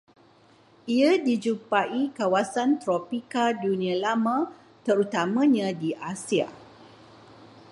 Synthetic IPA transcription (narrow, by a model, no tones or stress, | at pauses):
iadid͡ʒupaikawasant̪ɾɔpikadunĩãlamã | t̪əɾut̪amãɲãdiʔasia̰